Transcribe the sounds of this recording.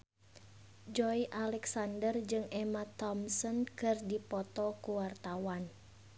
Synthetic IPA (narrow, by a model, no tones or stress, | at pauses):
d͡ʒɔiʔalɛksandərd͡ʒɨŋɛmat̪ɔmsɔnkɨrdipɔt̪ɔkuwart̪awan